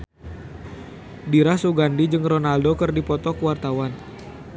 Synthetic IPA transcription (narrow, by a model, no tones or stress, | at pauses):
diɾasuɡandid͡ʒɨŋrɔnaldokɨrdipɔt̪ɔkwart̪awan